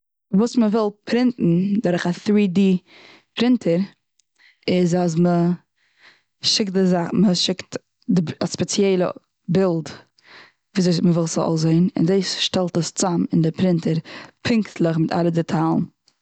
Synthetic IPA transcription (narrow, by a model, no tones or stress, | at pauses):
vuːsməvɪlˠpʰɾɪntn̩dɔɾəχaθɾiːdiː | pɾɪntʰəɾ | ɪzas̬mə | ʃɪk̚t̚dɪzaχməʃɪkt | dɪaspɛt͡sjɛɪlˠə̰ | bɪlˠd | viːzməvɪlˠsəɔ̰zeɪnɪ̰ndeɪsʃtɛlˠtəst͡samɪndɪpɾɪntəɾpʰɪŋktʰlˠəχmɪtʰa̰lˠədɛtʰalˠn